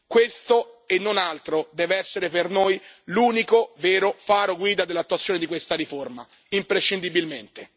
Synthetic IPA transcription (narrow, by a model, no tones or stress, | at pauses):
kwest̪oenːonalt̪ɾod̪ɛːveɛsːeɾepernojluːnikovɛːɾofaːɾoɡwiːd̪ad̪elːat̪ːuat̪sːjoːned̪ikwest̪aɾiforma | impɾeʃːind̪ibilment̪e